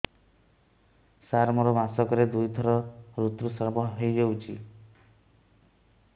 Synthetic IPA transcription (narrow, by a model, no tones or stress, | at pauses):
saɾmɔɾɔmasɔkɔɾed̪ujd̪ʱɔɾɔɾut̪ɾusaɾbɔɦejd͡ʒewt͡ʃʰi